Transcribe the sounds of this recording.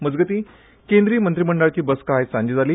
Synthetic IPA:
məd͡zɡət̪iː | kẽnd̪ɾiːəmənt̪ɾiməɳɖəɭt͡ɕiːbəskaɦajsãɲd͡ʑiːd͡zaliː

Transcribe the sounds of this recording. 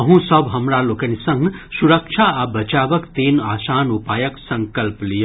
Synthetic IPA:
ʌɦũsʌbɦɐmɾalokənisʌŋɡsuɾək̚t͡ʃʰaabɐt͡ʃabʌkt̪eːnaːsaːnupaːjəksɐŋkɐlplijo

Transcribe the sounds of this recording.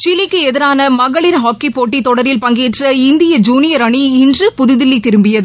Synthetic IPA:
t͡ʃɪlɪkːɯɛðɪɾaːnɐmɐɣɐɭɪɾɦaːkːipoːʈ̬ːit̪ɔɽɐɾɪlpɐŋɡeːʈrɐɪnd̪ɪjɐd͡ʒuːnɪjɐɾɐɳiɪndrɯpʊðɯðɪlːit̪ɪɾɯmbɪjɐðɯ

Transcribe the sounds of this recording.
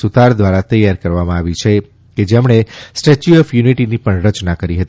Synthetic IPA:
sut̪aɾd̪ʋaɾat̪əjːaɾkəɾʋamãaʋit͡ʃʰe | ked͡ʒemɳ̃esʈet͡ʃuɔfjuniʈinipəɳɾət͡ʃnakəɾiɦət̪

